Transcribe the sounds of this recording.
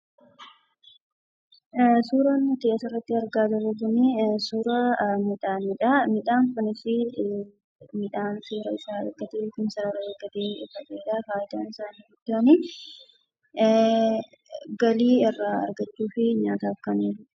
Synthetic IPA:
suːɾɐnːʊt̪eːʔsɐrːɐt̪ːɪɐɾɡaːd̪ɐɾɐɡʊnisuːɾɐmiᶑaːmɪᶑaːmɪᶑaːŋkɐnɪsɪ | mɪᶑaːnsuːɾɐɪsaːɐ̰ɡɐt̪eːkɪnsɐɾɐɾɐɐɡɐt̪eːfɐsʼeːᶑaːfaːjɪt̪aːnɪsaːnɡʊd̪ːɐɐnɪ | ɡɐliːɛrːaɐ̰ɾɡɐt͡ʃːuːfɪɲaːt̪aːfkɐniːɾʊ

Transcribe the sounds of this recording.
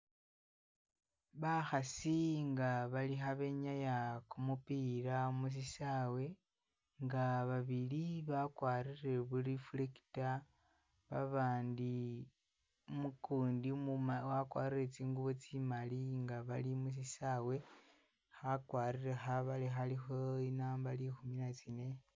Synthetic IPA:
βaxasiŋɡaβalixaβe̞ɲajakumupiɾamus̬isawe̞ | ŋɡaβaβiliβakwaːɾire̞βuɾifuleki̥ta | βa̰βaːndi | mukuːndiwakwa̰ːriret͡siːŋɡuβot͡simaliŋɡaβalimus̬isawe̞ | xakwaːɾiɾe̞xaβalixalixo̞inaːmbalixuminat͡sine̞

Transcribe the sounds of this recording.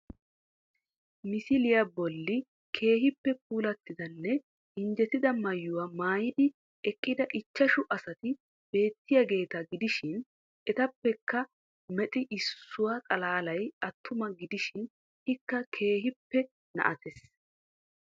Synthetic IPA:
mɪsɪlɪjabɔlːɪ | kʰe̞ːɦɪpːɛp̚uːlɐt̪ːɪd̪ɐnːɛ | ɪnd͡ʒɛt̪ɪd̪ɐmɐjːʊwɐmaːjɪd̪ɪ | ɛkʼːɪd̪ɐʔɪt͡ʃːɐʃʊʔɐsɐt̪ɪ | b̥e̞ːt̪ːɪjɐɡe̞ːt̪ɐɡɪd̪ɪʃɪn | ʔɛt̪ɐpːɛkːɐ | mɛt̪ʼɪʔɪsːʊwat̪ʼɐlaːlɐjɐt̪ʰːʊmɐɡɪd̪ɪʃɪn | hɪkːɐkʰe̞ːɦɪpːɛ | nɐ̰ʔɐt̪ɛs

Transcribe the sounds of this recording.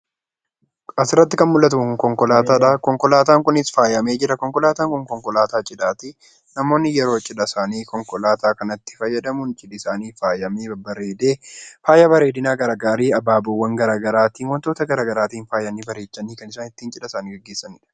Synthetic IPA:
ʔɐsɪɾːɐt̪ːɪkɐnmʊlːɐt̪uŋkɔŋkɔlaːt̪aːᶑɐkɔŋkɔlaːt̪aːŋkʊnɪsfaːjɐmeːd͡ʒɪɾɐkɔŋkɔlaːt̪aːŋkʊŋkɔŋkɔlaːt̪aːt͡ʃʼɪᶑaːt̪i | nɐmo̞ːnːɪjɛɾo̞ːt͡ʃʼɪᶑɐsaːniːkɔŋkɔlaːt̪aːkɐnɐt̪ːɪ̥fɐjːɐd̪ɐmʊnt͡ʃʼɪdɪsaːniːfaːjɐmeːbɐɾeːd̪e̞ːfaːjɐbɐɾe̞ːd̪ɪnaːɡɐɾaːɡaːɾiːɐbaːbɔwːɐŋɡɐɾaːɡɐɾaːt̪iːnwɐnt̪o̞ːt̪ɐɡɐɾaːɡɐɾaːt̪iːnfaːjɐnːiːbɐɾeːt͡ʃːɐniːkɐnɪsaːnɪt̪ːiːnt͡ʃʼɪᶑɐsaːniːɡɐɡːeːsːɐnɪᶑɐ̥

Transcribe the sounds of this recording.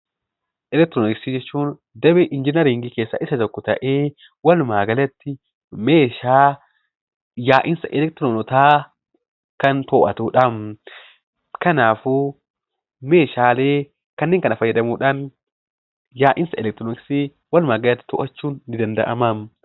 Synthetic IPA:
ʔɛlɛkt̪ɾonɪksid͡ʒɛt͡ʃːuːn | d̪ɐbɛʔɪnd͡ʒɪnɐɾiŋɡike̞ːsːɐ̰ʔɪsɐt̪ɔkːɔt̪ɐ̰ʔeː | wɐlʊmaːɡɐlɐt̪ːɪ | me̞ːʃaː | jaːʔɪnsɐʔɛlɛk̚t̪ɾoːnɔt̪aː | kɐnt̪oːʔɐt̪uːᶑɐm | kɐnaːfu | meːʃaːle̞ː | kɐnːeːŋkɐnɐfɐjːɐd̪ɐmuːᶑan | jaːʔɪnsɐʔɛlɛk̚t̪ɾɔnɪksiː | wɐlʊmaːɡɐlɐt̪ːɪ̥t̪ɔ̰ʔɐt͡ʃːuːnːɪd̪ɐnd̪ɐ̰ʔɐ̰mɐm

